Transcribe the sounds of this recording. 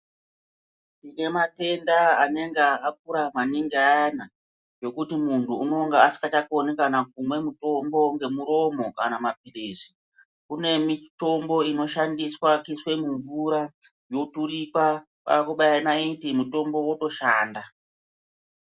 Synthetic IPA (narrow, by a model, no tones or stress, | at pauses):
tine̞mate̞ndaane̞ŋɡeak̚uɾamaniŋɡiaana | jo̞kutimuntuuno̞ŋɡeasi̥kat͡ʃakonikanak̚umwe̞muto̞mbo̞ŋɡe̞muɾo̞mo̞ka̰namap̚iriːsi̥ | kune̞mito̞mbo̞ino̞ʃandiswakiswe̞muɱvuɾa | jo̞turipa | pa̰akuɓajanaitimuto̞mbo̞woto̞ʃaːnda